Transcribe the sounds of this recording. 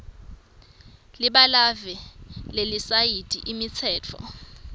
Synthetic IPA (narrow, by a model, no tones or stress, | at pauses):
liɓalavɛlelisajid̥ʰʼʱiʔimit͡sʰɛːt͡fʰɔ̰